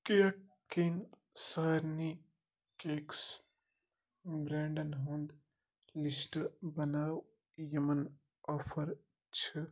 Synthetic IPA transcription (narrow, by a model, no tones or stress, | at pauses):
keəkː | in | səɾni | keks | bɾeɳɖənɦũnd̪ | lisʈbənaːw | jemən | ɔːpʰəɾ | t͡ʃʰi